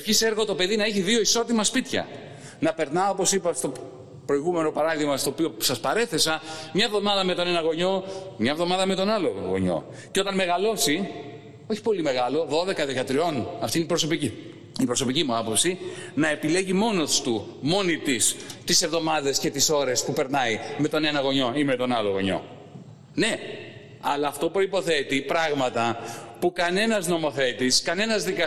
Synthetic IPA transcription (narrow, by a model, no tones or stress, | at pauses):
efçiseɾɣot̪o̞pe̞ðinɐeçiðio̞iso̞t̪imɐspit̪çɐ̰ | nɐpeɾnɐopo̞sipɐst̪o̞ | pɾo̞iɣume̞no̞pɐɾɐðiɣmɐst̪o̞ːpio̞sɐspɐɾe̞θe̞sɐmɲɐevðo̞mɐðɐme̞t̪o̞ne̞nɐɣo̞ɲo̞mɲɐevðo̞mɐðɐme̞t̪o̞nɐloɣo̞̰ɲo̞̰ | ceo̞t̪ɐnme̞ɣɐlo̞si | o̞çi̥po̞lime̞ɣɐlo̞ðo̞ðe̞kɐðekɐt̪ɾio̞nɐft̪inipɾo̞so̞pici | ipɾoso̞picimuɐpo̞psinɐe̞pile̞ʝimo̞no̞st̪u | mo̞nit̪ist̪ise̞vðo̞mɐðesce̞t̪iso̞ɾe̞spupe̞ɾnɐime̞t̪o̞ne̞nɐɣo̞ɲo̞immet̪o̞nɐloɣo̞ɲo̞̰ | ne̞ | ɐlɐːft̪opɾo̞ipo̞θe̞t̪ipɾɐɣmɐt̪ɐpukɐne̞nɐzno̞mo̞θe̞t̪iskɐne̞nɐzðikɐ